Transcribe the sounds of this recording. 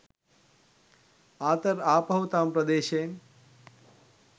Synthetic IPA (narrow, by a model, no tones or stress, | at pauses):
aːt̪ɐɾaːpɐwt̪aːmpɾɐd̪eːʃeːm